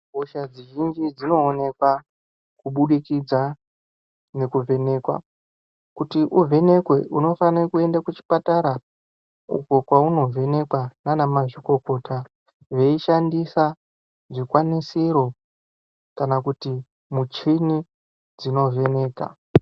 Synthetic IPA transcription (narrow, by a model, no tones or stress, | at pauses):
oʃad͡ziʒind͡ʒid͡zino̞ːne̞kwa | kuɓuɗikid͡za | ne̞kuve̞ne̞ːkwa̰ | kutiʔuve̞ne̞kwe̞ʔuno̞fanikue̞ndakut͡ʃi̥pataɾa | ṵko̞kwauno̞ve̞ne̞kwananamaʐiko̞ko̞tʰa | ʐe̞iʃandisa | ʐikwanisiɾo̞ | kanakuti | mut͡ʃini | d͡zino̞ve̞ne̞ːka̰